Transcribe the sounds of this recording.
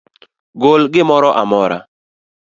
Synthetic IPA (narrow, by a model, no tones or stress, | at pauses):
ɡʊlɡɪmɔɾɔʔamɔɾa̰